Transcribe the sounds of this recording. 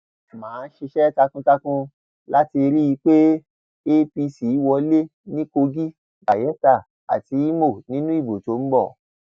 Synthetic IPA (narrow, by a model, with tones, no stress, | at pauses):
mãː˨˦˧n̩˦ʃe˧ʃɛ˦ta˧kũ˧ta˧kũ˧ | la˦ti˧ɾi˦i˧k͡pe˦ | e˦pi˧si˨˦wɔ˧˦le˦nĩ˦ko˧ɡi˦ | ba˨jɛ˨˦ta˦˨ | a̰˨ti˧˦i˦mo˦˨nĩ˦nũ˦i˦˨bo˨to˨˦m̩˦bɔ˦˨